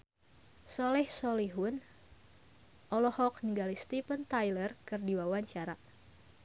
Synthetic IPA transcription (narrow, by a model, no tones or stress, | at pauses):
sɔlɛhsɔliɦʊn | ʔɔlɔhɔkniŋɡalist̪ipənt̪ajlərkɨrdiwawaɲt͡ʃaɾa